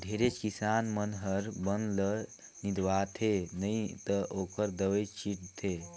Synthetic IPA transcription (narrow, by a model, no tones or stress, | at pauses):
ɖʱeɾet͡ʃkisanmənɦəɾbənlə | nid̪ʋat̪ʰenəjt̪əʔokəɾd̪əwəjt͡ʃiʈt̪ʰe